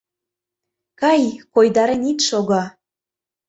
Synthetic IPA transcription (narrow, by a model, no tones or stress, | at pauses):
kɑjkojd̪ɑɾenit̪ʃoɣɑ